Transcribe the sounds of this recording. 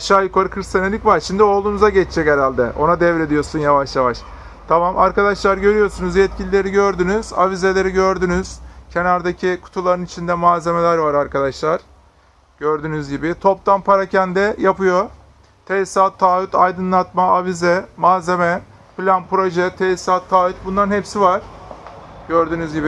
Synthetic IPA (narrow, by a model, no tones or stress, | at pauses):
aʃaːjukaɾɯkʰɾist̪anelʲicvaɾʃimd̪io̞lˠd̪uːnuzaɟɛt͡ʃd͡ʒʰɛceɾalʲd̪ɛʔo̞̰nad̪ɛvɾe̞d̪ijo̞sunjavaʃjavaʃ | t̪ʰamama̰ɾkad̪aʃlˠaɾɟø̞ɾyjo̞sunuzjɛt̪̚cʰilʲilʲe̞ɾiɟø̞ɾd̪ynyz̥a̰vizelʲe̞ɾiɟø̞ɾd̪ynyz̥cʰe̞naɾd̪acʰikʰu̥t̪ʰulˠaɾɯnit͡ʃʰind̪ɛmaːze̞me̞lʲæɾvaɾaɾkʰad̪aʃlˠaɾ̥ | ɟ̥øɾd̪ynyzɟibɪt̪ʰo̞pt̪ʰanpʰaɾacʰænd̪ɛjapɯjo̞ | t̪ʰɛsat̪ʰːaːyt̪ʰajd̪ɯnlˠat̪maavizɛmaːze̞mɛ | plʲanpɾo̞ʒɛt̪ʰɛsat̪ʰːaːyt̪̚bund̪anhɛpsivaɾ̥ | ɟ̥øɾd̪ynyzɟibɪ